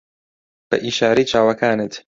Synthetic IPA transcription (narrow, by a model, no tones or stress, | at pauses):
b̥ɐ̰ʔiːʃaːɾejt͡ʃʰaːwɐkaːnɨt̪